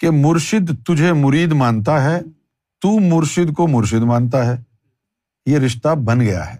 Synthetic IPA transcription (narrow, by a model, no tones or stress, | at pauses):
kemʊɾʃɪd̪t̪ʊd͡ʒʱemʊɾiːd̪maːnt̪̬aɦɛː | t̪uːmʊɾʃɪd̪komʊɾʃ̬ɪd̪mãːnt̪̬aɦɛː | jeɾɪʃt̪abɐnɡɐja̰ɦɛː